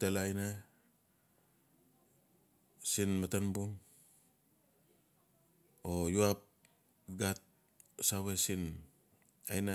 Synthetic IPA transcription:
telajna | sinmatanbuŋ | ojuap̚ | ɡat̚ | sawesin | a̰jna

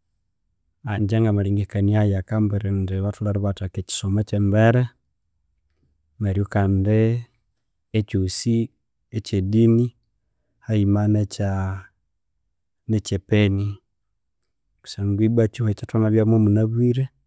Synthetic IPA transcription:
aɲd͡ʒaŋɡamaɾiŋɡekaniajakambeɾendeβatulaɾiβataket͡ʃi̥somat͡ʃembeɾe | meɾijokande | t͡ʃosi | et͡ʃedini | haimanet͡ʃa | net͡ʃepeni | ku̥saŋɡibat͡ʃihoet͡ʃatonaβjamomunaβwiɾe

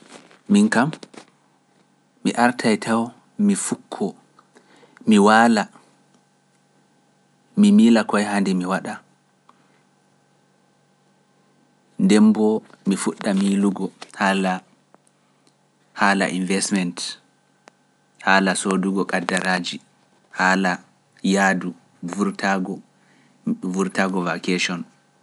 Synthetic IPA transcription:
miŋkam | iʔaɾtʰajtʰaw | mifukʰːɔ | miwala | mimiːlakɔjɦandɛmiwaɗa | ndɛmbɔ | mifuɗːamiːluɡɔhaːla | haːla̰ʔḭnvɛsmɛnt | haːlasoduɡɔkadaɾaːd͡ʒi | haːla | jaːdu | vuɾtʰaɡɔ | vuɾtaɡɔvakeʃɔn

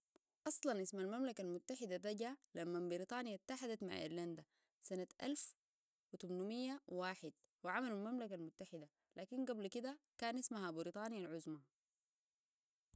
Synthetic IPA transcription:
ʔɑsˤlɑnʔismalmamlakalmut̪ːaħid̪at̪aɟalamːabiɾit̪ˤɑːnijat̪ːaħad̪at̪ma̰ʕʔḭɾland̪a | sanat̪ʔa̰lf | wit̪umnumijːawaːħɪd̪̥̚ | wiʕamalalmamlakalmut̪ːaħid̪a | lʔaːkinɡablkid̪akaːnʔismaɦabiɾit̪ˤɑːnjalʕʊzma

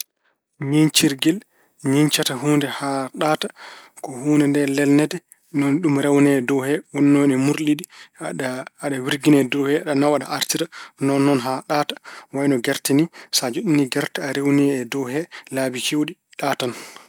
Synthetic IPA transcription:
ɲint͡ʃiɾɡil | ɲiɲt͡ʃataɦuːndɛhaɗaːtḁ | kɔhuːndɛndɛlɛlnɛdɛ | nɔnɗumɾɛwnɛdɔhɛwɔnːɔjnɛmuɾɗiɗi | aɗawiɾɡinɛdɔhɛaɗanawaɗa̰ʔaɾtiɾanɔnːɔnɦaɗatḁwajnɔɡɛɾtinisad͡ʒoɗiniɡɛɾtaaɾewnɛːdɔɦɛlaːbikewɗi | ɗatan

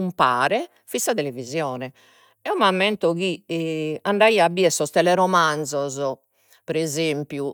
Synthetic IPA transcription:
umpaːɾɛ | fisaðelevizjɔːnɛ | ɛɔmamːɛnt̪ɔkiɛaɳɖaiabiɛsɔst̪ɛlɛɾɔmand̪zɔzɔ | pɛɾɛzempju

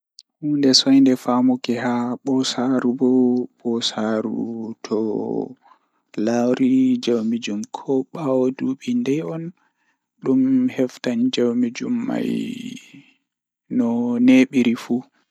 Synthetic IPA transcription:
hundɛsɔjndɛfamɔkɛhaɓɔsaɾubɔɓɔsaɾṵtʰɔ | lawɾid͡ʒawmid͡ʒumkʰɔɓawoduɓindɛjɔn | ɗumhɛftand͡ʒawmid͡ʒumːa̰j | nɔneɓiɾifu

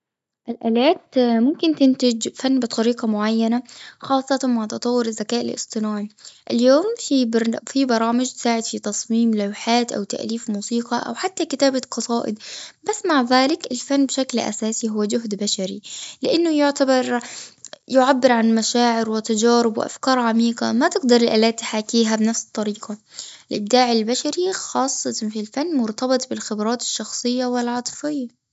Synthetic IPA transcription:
ʔɪlʔaːlaːt̪mʊmkɪnt̪ɪnt̪ɪd͡ʒfanːbɨt̪ˤɑɾiːqɑmʊʕajːanaxɑːsˤːɑt̪amaʕt̪ɑt̪ˤɑwːʊɾɪzːakaːʔɪ̰lʔɪ̰sˤt̪ˤɨnaːʕiʔɪljoːmfifibɑɾˤɑːmɪd͡ʒt̪saːʕɪd̪fit̪ɑsˤmiːmlawħaːt̪ʔa̰wt̪a̰ʔliːfmuːsiːqɑʔa̰wħat̪ːakɪt̪aːbaqɑsˤɑːʔɪ̰d̪basːmaʕðaːlɪkɪlfanːbʃaklʔa̰saːsiɦʊwːad͡ʒʊɦd̪baʃaɾilɪʔanːʊjɪʕt̪abɑɾˤ | jʊʕabːɪɾʕanmaʃaːʕɪɾwɪt̪ad͡ʒaːɾɪbwɪʔa̰fkɑːɾˤʕamiːqɑ̰mat̪ɪɡd̪ɑɾˤɪlʔa̰ːlaːt̪ːɪħaːkːiːɦabnafsɨ̥t̪ˤːɑɾiːqɑ | ɪlʔɪb̚d̪aːʕɪlbaʃaɾixɑːsˤːɑt̪filfanːmʊɾt̪ɑbɨt̪ˤbɪlxɪbɾˤɑːt̪ɪ̥ʃːɑxsˤɨjːawɪlʕɑt̪ˤfɪjːa

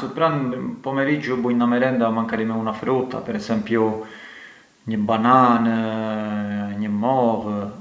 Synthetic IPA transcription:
supɾanpɔmɛɾid͡ʒubujnd̪amɛɾɛnd̪amaŋkaɾimɛunafɾut̪a̰pɛɾɛsɛmpju | ɲəbanan | ɲəmɔv

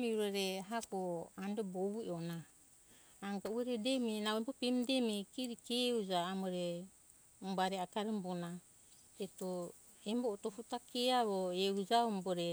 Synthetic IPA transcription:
miuɾoɾeɦakoandoboβueonaː | ŋɡaueɾedemenabopemdemekiɾikeud͡ʒaːmoɾe | baɾeakaɾembona | eto | emboʔtofutakeaβoeud͡ʒaomboɾe

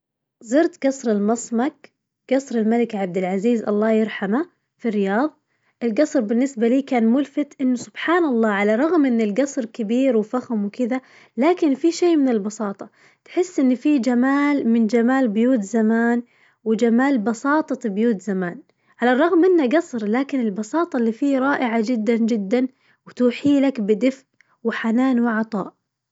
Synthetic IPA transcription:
zˤɨɾt̪ɡɑsˤɾɪlmɑsˤmak | ɡ̥ɑsˤɾɪlmalɪkʕab̚d̪ɪlʕaziːzʔɑ̰lˤːɑːjɪɾˤħama | firːɪjɑːðˤ | ʔɪlɡɑsˤɾbɪnːɪsbaliːkaːnmʊlfɪt̪ʔɪnːʊsʊb̥ħaːnɑlˤːɑːʕalaɾˤɑɣmʔɪnːɪlɡɑsˤɾˤkɪbiːɾwɪfaxmwɪkɪða | laːkɪnfiʃeːmɪnɪlbɑsˤɑːt̪ˤɑ | t̪ħɪsːʔɪnːfiːd͡ʒamaːlmɪnd͡ʒamaːlbʊjuːt̪zamaːn | wɪd͡ʒamaːlbɑsˤɑːt̪ˤɑtbjuːt̪zamaːn | ʕalarˤːɑɣmʔɪnːaɡɑsˤɾlaːkɪnɪlbɑsɑːt̪ˤɑlːiːfiːɾˤɑːʔɪʕad͡ʒɪd̪ːand͡ʒɪd̪ːan | wɪt̪uːħiːlakbɪd̪ɪfʔ | wɪħanaːnwɪʕɑt̪ˤɑ̰ːʔ

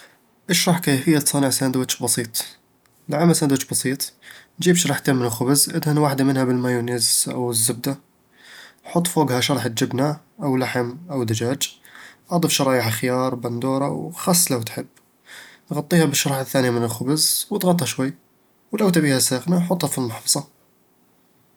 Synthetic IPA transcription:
ʔəʃɾˤɑħkæfəjːat̪sˤɑnəʕsænd̪wæt̪ʃbɑsˤiːt̪ˤ | lʕamːæsænd̪wæʃbɑsˤiːt̪ˤnd͡ʒibʃɾˤɑħt̪æmːənəlxʊbəzʔəd̪hənwaħd̪amənhæbəlmæjunizʔə̰wəzːəb̚d̪a | ħot̪ˤːfuɡhæʃɑɾˤɑħət̪̚d͡ʒəbna | ʔəwlaħəmʔəwd̪ad͡ʒæd͡ʒʔɑd̪ˤifʃɑɾˤɑjəħxjɑɾˤbɑnd̪uɾˤɑ̰wxɑsˤːlæwt̪ħəbː | nɣɑt̪ˤːihæbəʃːɑɾˤɑħaθːænijamənəlxʊbəzwət̪ɣɑt̪ˤːhæʃwəjː | wləwt̪æbihæsæxnaħot̪ˤːhæfilmɑħbɑsˤɑ

